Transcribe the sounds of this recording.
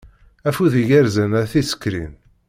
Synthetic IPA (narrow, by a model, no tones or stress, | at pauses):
æfuðiʝæɾzænaθisə̥kːɾḭn